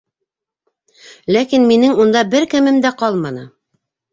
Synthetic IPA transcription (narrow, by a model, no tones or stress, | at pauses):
lækinminɘŋund̪ɑbɘɾkɘ̆mɘmd̪æqɑlˠmɑnɤ̰